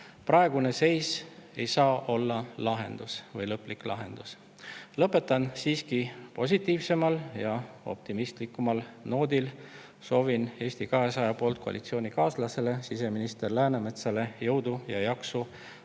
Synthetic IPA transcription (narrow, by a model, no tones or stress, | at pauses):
prɑe̞ɡ̥une̞se̞jse̞̰jsɑːʔo̞lːɑlɑɦe̞̰nd̪̥usvɤjlɤpːˑliklʔɑɦe̞nd̪̥us | lɤpːˑe̞t̪ːˑɑnsiːskipo̞s̬ʲit̪ːˑiːvse̞mɑljɑo̞̰p̚t̪imist̪likːˑumɑlno̞ːd̪il | so̞ːvine̞ːsʲt̪ikɑɦe̞sɑjɑpo̞ːlt̪̚kʰo̞ɑ̰lit̪sio̞ːnikɑːslɑse̞le̞sise̞minist̪e̞rlæːneme̞t̪sɑlejɤwd̪̥ujɑjɑksu